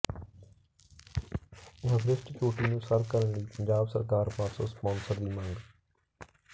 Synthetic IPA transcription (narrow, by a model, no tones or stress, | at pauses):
əbɾɪsʈt͡ʃoːʈiːnũːsəɾkəɾəɳliːpəɲd͡ʑaːbsəɾkaːɾmaːsuːspɔ̃ːnsəɾd̪iːmə̃ŋɡ